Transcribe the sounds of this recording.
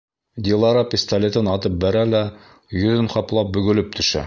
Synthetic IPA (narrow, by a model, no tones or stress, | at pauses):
d̪ʲilˠɑɾɑpʲɪst̪alʲet̪ɤnɑt̪ɤp̚bæɾælæ | jɵ̆ðɘnqɑplˠɑp̚bɵ̆ɡɵ̆lɵp̚t̪ʰɵ̆ʃæ̰